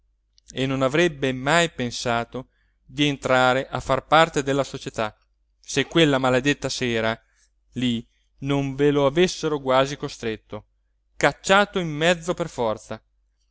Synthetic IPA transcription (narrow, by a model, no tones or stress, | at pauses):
enːonavɾɛbːemajpensaːt̪o | d̪ient̪ɾaːɾeʔafːarpart̪ed̪elːasot͡ʃet̪a | sekːwelːamaled̪et̪ːasɛːɾa | li | noɱveloavesːeɾoɡwaːzikost̪ɾet̪ːo | kat͡ʃːaːt̪oimːɛd̪zːoperfɔrt̪sa